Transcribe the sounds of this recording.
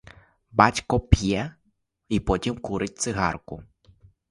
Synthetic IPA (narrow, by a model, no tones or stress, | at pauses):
bɑtʲkɔpʲjɛ | ipɔtʲimkuɾɪt̚ʲt̪sɪɦɑ̰rkʊ̰